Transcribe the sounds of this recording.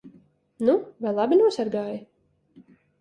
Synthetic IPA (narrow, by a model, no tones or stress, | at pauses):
nuvajlˠabʲinuɔsaɾɡaːjɪ